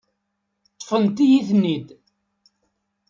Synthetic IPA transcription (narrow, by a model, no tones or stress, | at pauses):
t̪ˤːəfənt̪ijiθnːid̪